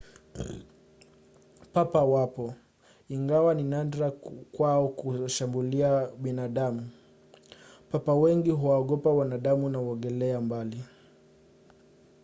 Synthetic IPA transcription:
papawapɔ | iŋɡawaninandɾakwaɔkuʃambuliaɓinaɗamu | papawɛŋɡiɦuwaɔɠɔpawanaɗamunawɔŋɡɛlɛambali

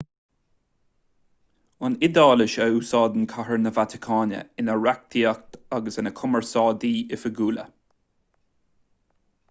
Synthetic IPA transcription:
anɪd̪ɑːlɪʃəuːsɑːd̪ənkʰaɦəɹnəvat̪ʰɪ̥kʰɑːnə̰ɪnəɹak̚t̪ʰiak̚t̪aɡəsɪnəkʰʊməɹsɑːd̪iːɪfəɡuːlə̰

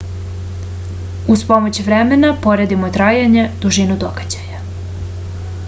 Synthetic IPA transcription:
uspo̞mot͡ɕʋɾemenapo̞ɾed̪imot̪ɾaːjaɲe̞d̪uʒinud̪oɡ̥ad͡ʑaja

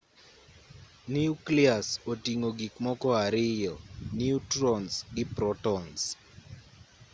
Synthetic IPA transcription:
niukliasotiŋoɡikmɔkɔaɾɪjɔniutɾɔnsɡɪpɾɔtɔns

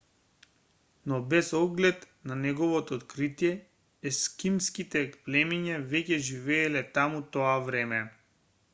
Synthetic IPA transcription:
nɔbɛzɔɡlɛt̪ | nanɛɡɔvɔt̪ɔːt̪kɾit̪ijɛː | skimskit̪ɛplɛmiɲavɛcɛʒivɛːlɛt̪amut̪ɔavɾɛmɛ

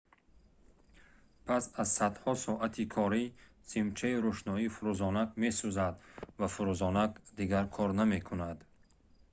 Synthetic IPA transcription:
pʰasazsad̪hɔsɔʔat̪ʰikʰɔɾi | z̥imt͡ʃʰaiɾuʃnɔifuɾuzɔnakme̞suzad̪vafuɾuzɔnakd̪iɡaɾkʰɔɾname̞kʰunad̪

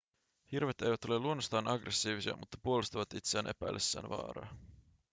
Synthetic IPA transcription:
hirʋet̪ejʋæt̪o̞le̞lːuonːost̪ɑːnʔɑɡrʔesːiːʋisiɑ̰mut̪ːɑpuolust̪ɑʋɑt̪it̪seæːnʔe̞pæjlʔesːæ̰ːnʋɑ̰ːɾɑ̰ː

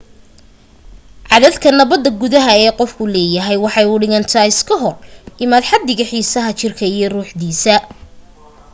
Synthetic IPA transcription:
ʕɑðɐðkʰɐnɐβɐd̪ːɐɡʊðɐɦɐɛːqɔfkʰʊlɛːjɐɦɛjwɑħɑjʊɽɪɣɐnt̪ʰɐɪskʰɐɦɔrʔɪmaːd̪ħɑd̪ːɪɣɐħiːsɐɦɐt͡ʃɪrkʰɐijɞruːħd̪iːsɐ

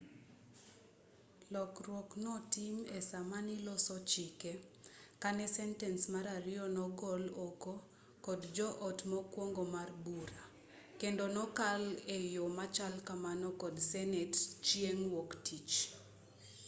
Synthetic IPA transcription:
lɔkrwoknɔtimesamanilɔsɔt͡ʃikekanɛsɛntɛnsmaɾaɾɪɔnɔɡɔloko | kɔdd͡ʒɔʔɔtmɔkwoŋɡomarbuɾa | kendonɔkalejomat͡ʃalkamanɔkɔdsɛnɛtt͡ʃjeŋwoktʰit͡ʃ

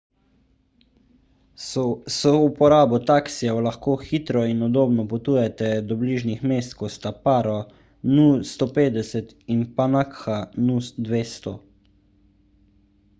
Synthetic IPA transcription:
sɔupɔɾaːbɔt̪aksiɛwlaxkoːxit̪ɾɔinɔd̪oːbnɔpɔt̪uːjɛt̪ɛd̪ɔbliːʒnixmeːst̪kost̪apaːɾɔ | nust̪oːpeːd̪ɛsɛt̪ | inpanakxanud̪ʋeːst̪ɔ̰

